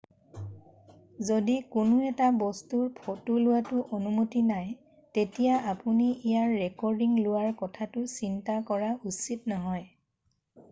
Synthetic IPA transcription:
zodikʊnʊɛtabɔstuɹpʰotulʊwatʊʔonumutinaj | tetijaapuniijaɹːɛkɔɹdiŋlʊwaɹkɔtʰatʊsintakɔɹaʔusitnɔɦɔj

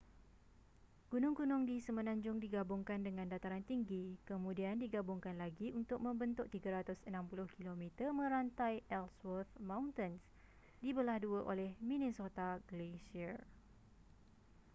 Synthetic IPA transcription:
ɡ̥unʊ̃ŋkunʊ̃ŋdisəmə̃nãɲd͡ʒʊŋdiɡabʊŋkandəŋãndat̪aɾant̪iŋɡikəmũdiandiɡabʊŋkanlaɡiunt̪ʊk̚mə̃mbənt̪ʊʔt̪iɡaɾat̪ʊsənãmpulʊhkilomĩt̪əmə̃ɾant̪ajʔɛlswət̪mãwnt̪əns | dibəlahduəʔolɛhmĩnĩnsot̪aɡəlesia

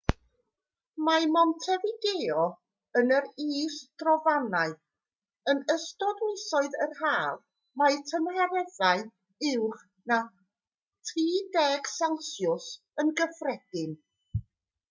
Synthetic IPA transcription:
mamɔntʰɛvɪdeɔ | ənəɾiːsd̥rɔvanaɨ | ənəstɔdnɪsɔɨðərhaːl | majtʰəmhaɾɛðaɨ | ɪwχ | na | tʰriːdɛɡ̥sansjʊs | ənɡəfrɛd̥ɪn

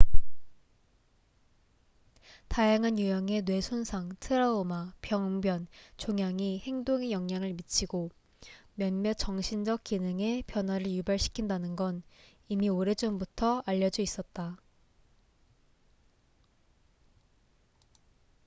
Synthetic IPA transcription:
tajaŋɦanjujʌŋe̞nwe̞sʰonsʰaŋtʰɯɾaomapjʌŋbjʌnt͡ɕoŋjaŋihe̞ŋdoŋe̞jʌŋɲaŋɯɭmit͡ɕʰiɡo | mjʌnmjʌt͡ɕʌŋɕʰind͡ʑʌk̚k͈inɯŋe̞pjʌnwaɾɯɭjubaɭɕʰi̥kʰindanɯnɡʌn | imioɾe̞d͡ʑombutʰʌaʎːʌd͡ʑuis͈ʌt̚t͈a

